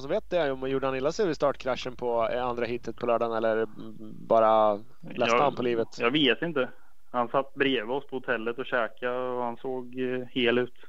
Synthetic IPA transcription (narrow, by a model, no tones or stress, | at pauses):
sɔveːt̪̚d̪ɛjɔmjuːɖəhanɪlːasɛvɪst̪ɑːʈkʰɾaʂːənpʰɔand̪ɾaɦɪt̪ːət̪̚pʰɔlœːɖanɛlːəɾ | bɑːɾa | lɛsəhanpʰɔliːvət̪jɑːɡveːt̪ɪnt̪ə | hansat̪ːbɾeːvəɔspʰɔhʊt̪ʰɛlːət̪ɔɕɛːkaɔhansoːɡheːlʉ̟ːt̪